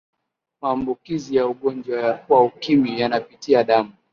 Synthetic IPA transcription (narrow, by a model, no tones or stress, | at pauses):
maːmbukizijauɠɔnd͡ʒwawaukimijanapitiaɗamu